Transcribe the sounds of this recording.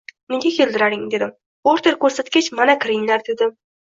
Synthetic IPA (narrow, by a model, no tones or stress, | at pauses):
neɡʲakʲʰe̞ld̪ɪɾaɾɪŋd̪e̞d̪ɪm | oɾt̪ʰeɾkʲɵɾsat̪̚kʲet͡ʃmanakʰʲɪɾɪŋlaɾd̪e̞d̪ɪ